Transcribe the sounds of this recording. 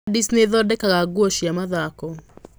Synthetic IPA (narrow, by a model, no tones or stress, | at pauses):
disneðɔdɛkaɣaɡwɔʃiamaðakɔ